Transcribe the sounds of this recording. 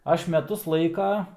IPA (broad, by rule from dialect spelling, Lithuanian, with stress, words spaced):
ˈɐʃ mʲɛˈtʊs ˈlˠɐɪkɐ